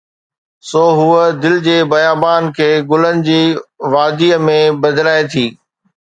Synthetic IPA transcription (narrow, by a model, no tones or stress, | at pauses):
soːɦuəd̪ɪld͡ʑeːbɐjaːbaːnkʰeːɡʊlənɪ̆d͡ʑiːʋaːd̪iːmẽbɐd̪laːet̪ʰiː